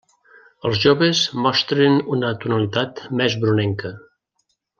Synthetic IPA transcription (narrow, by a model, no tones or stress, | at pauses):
əlˠzʒoβəzmɔst̪ɾenunət̪unəlit̪at̪mɛzβɾunɛŋkə